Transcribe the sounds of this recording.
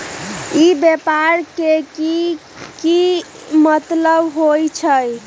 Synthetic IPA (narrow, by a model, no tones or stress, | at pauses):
ibjepaɾkeki | ki | mət̪ləbɦojt͡ʃʰəj